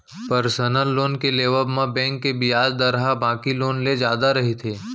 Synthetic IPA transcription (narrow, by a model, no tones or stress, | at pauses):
pəɾsənəlːoːnkeleːʋəbmãbɛ̃ːŋkːebɪjaːd͡ʒd̪ɐɾɦabãːkiloːnled͡ʒjaːd̪aɾɐɦit̪ʰeː